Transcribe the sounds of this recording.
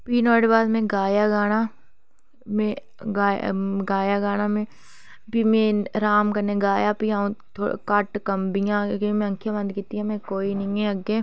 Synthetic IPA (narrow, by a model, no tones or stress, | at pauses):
piːnɔːɽbaːd̪mẽɡaːjaɡaːna | mẽ | ɡaːɡaːjaɡaːnamẽ | piːmẽɾaːmkɐɾneɡaːjapiãt̪ʰo̰kaʈkɐmbijãkemẽɐ̃ŋkʰjabɐ̃nd̪kit̪iɦãmẽkoːinɐĩẽɐɡe